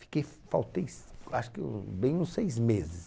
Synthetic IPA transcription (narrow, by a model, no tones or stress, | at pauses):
fi̥kej | fawt̪ejsaʃʊ̥kɪṵ̃bẽj̃ũsejzmezɪs